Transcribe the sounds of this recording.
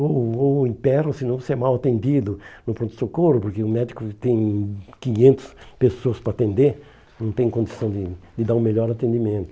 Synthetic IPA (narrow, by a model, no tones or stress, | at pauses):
ooĩpɛɾosɪnɐ̃w̃sɛmawat̪ẽnd̪id̪ʊnʊpɾõt̪ʊ̥sokoɾʊpoɾkeʊmɛd̪ikʊt̪ẽj̃kĩɲẽnt̪ʊ̥spesoɐspɾɐaːt̪ẽnd̪eɾ | nɐ̃w̃t̪ẽj̃kõnd̪isɐ̃w̃d̪ɪd̪ɪd̪aɾũmeʎɔɾat̪ẽnd̪imẽnt̪ʊ